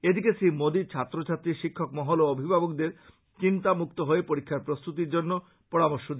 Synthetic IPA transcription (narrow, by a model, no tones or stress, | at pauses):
ed̪ikesimod̪it͡ɕʰat̪ːɾot͡ɕʰat̪ːɾiʃikʰːokmɔɦoloobʱibʱabok̚d̪eɾ | t͡ɕint̪amukt̪oɦoepoɾikʰːaɾpɾost̪ut̪iɾd͡ʑonːo | pɔɾamoɾʃod̪